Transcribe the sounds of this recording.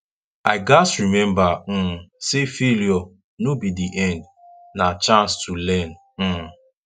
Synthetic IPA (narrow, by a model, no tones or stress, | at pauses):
aɪɡasɹimɛ̃mbam̩sefiljɔ | nobidiʔɛ̃nd | nat͡ʃãnstʰulɛ̃n | m̩